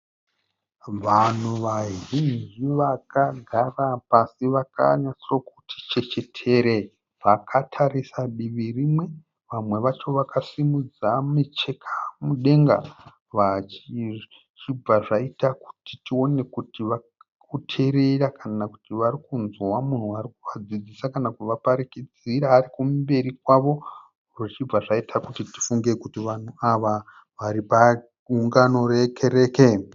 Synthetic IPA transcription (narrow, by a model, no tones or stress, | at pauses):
ʋan̤uʋaɦind͡ʒiʋakaɡʱarapasiʋaka̰ɲat͡sirokutʰi̥t͡ʃe̞t͡ʃe̞tʰe̞ɾe | ʋakʰatʰarisaɗiʋirimwe̞ | ʋamwe̞ʋat͡ʃo̞ʋakʰasimud͡zamet͡ʃe̞kʰamuɗe̞ŋɡa̰ | ʋat͡ʃi | t͡ʃib͡vaʐaitaku̥ti̥tio̞ne̞kutiʋa | kutʰe̞ɾe̞ɾakʰanaku̥tiʋarikunzwamun̤uaɾikuʋad͡zid͡zisakanakuʋapaɾikid͡ziɾaːrikummbe̞ɾikwaʋo̞ | roit͡ʃib͡vaʐaitʰakutiti̥fuŋɡekutiʋan̤uaʋa | ʋaɾipa | uŋɡano̞ɾekʰe̞ɾe̞ːke̞